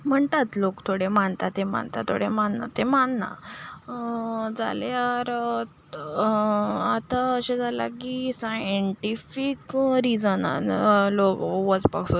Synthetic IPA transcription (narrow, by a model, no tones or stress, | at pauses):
m̤əɳt̪at̪lokt̪ʰoɽemaɳt̪at̪ːema̰ɳt̪at̪ʰːo̰ɽemanna̰t̪emanna̰ | d͡za̰leaɾ | at̪aəɕẽd͡zʱala̰kisajəɳʈifikɾid͡zəna̰lokʋɔd͡zpa̰ksu